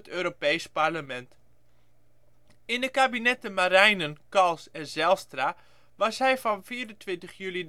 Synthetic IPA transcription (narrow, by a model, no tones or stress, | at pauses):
tøːɾopejsparləmɛnt | ɪndəkabinɛtəmaɾɛjnənkɑlˠsɛzɛlˠstra | ʋɑsɦɛjfɔnfiːəɾəntʋɪntəχjylid